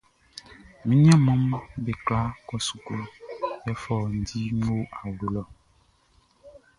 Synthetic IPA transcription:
mĩ˦ɲ˦ã˦mɔ̃˦mbe˨kla˦kɔ˦su̥˨ku˦jɛ˦fɔ˦˨n̩˨t̪i˦ŋo˦a˨wo˨lɔ˨

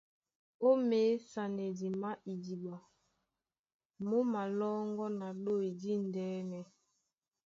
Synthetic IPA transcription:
o˦meː˨˦sa˨ne˨di˨ma˦ʔi˨di˨ɓa˨ | mo˦ma˨lɔ˦ŋɡɔ˦na˨ɗo˦˨i˨di˦n˨dɛː˨˦nɛ˨

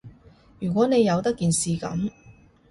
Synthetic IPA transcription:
jyː˨˩k̬ʷɔː˨˥ne˨˧jːɐ˨˧wt̪ɐ˥kːiː˨nsiː˨kɐ̰˨˥m

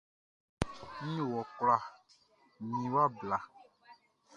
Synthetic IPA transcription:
mĩ˦˨wɔ˨kla˨ | mĩ˨wa˦bla˨

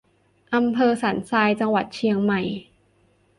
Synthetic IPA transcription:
ʔa˧mpʰɤː˧saː˩˦nsaː˧jt͡ɕa˧ŋwa˨˩t̪̚t͡ɕʰi˧əŋma˨˩j

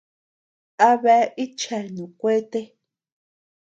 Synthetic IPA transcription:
a˦βe˧˨˦ʔi˦t͡ʃa˨nũ˨kʷe˦t̪e˦

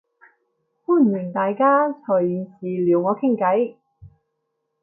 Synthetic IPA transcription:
kuː˥˩m̩˨˩jɪ˨˩ŋt̪aː˨jkaː˥t͡sʰɔː˨˩jiː˨˧nsiː˨liː˨˩wŋɔː˨˧˥kʰɪ˥ŋkɐ˨˥j

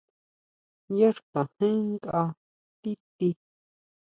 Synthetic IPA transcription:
ja˦ʂkã˨hẽ˦ŋ˦ka˧ | t̪i˦t̪i˧

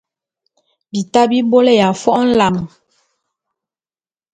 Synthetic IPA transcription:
bi˨ta˦bi˦bo˦le˦˨ja˨fɔ˦ʔn̩˦la˨m˨

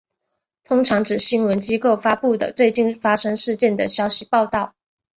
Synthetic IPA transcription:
t̪ʰʊ˥ŋʈ͡ʂʰɑ˧˥ŋʈ͡ʂɻ̩˨˩ɕi˥nwə˧˦nt͡ɕi˥ko˥˩ʊfa˥pu˥˩d̪ə̰˩t͡swe˥˧ɪt͡ɕi˥˩nfa˥ʂɤ˥ŋʂɻ̩˥˧t͡ɕjɛ˥˩nd̪ə˩ɕjɑ˥ʊɕi˧pɑ˥˧ʊt̪ɑ˥˩ʊ

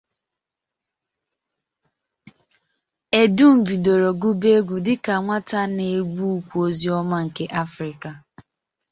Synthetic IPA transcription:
e˨du˦m̩˨vi˨do˨ɾo˨ɡu˦be˦ɡʷu˨dɪ˦ka˨ŋʷa˦ta˦ne˨ɡʷu˦u˦kʷu˦o˦zi˦ɔ˦ma˦ŋ̩˨ke˦ʔa˦fɾɪ˨ka˨

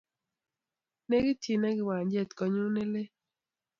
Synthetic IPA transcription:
ne˦ɡɪ˦ti˨na˦ɡɪ˨wa˨ɲd͡ʒe˦˨t̪kɔ˨ɲu˦ne˦le˦

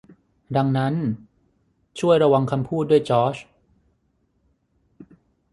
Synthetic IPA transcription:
da˧ŋna˦˥n | t͡ɕʰu˥˩əjɾa˧wa˧ŋkʰa˧mpʰuː˥˩t̪̚du˥˩əjt͡ɕɔː˦˥˩t͡ɕ

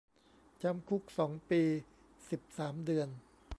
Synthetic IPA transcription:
t͡ɕa˧mkʰu˦˥k̚sɔː˩˦ŋpiː˧ | si˨˩p̚saː˩˦mdɯ˧ən

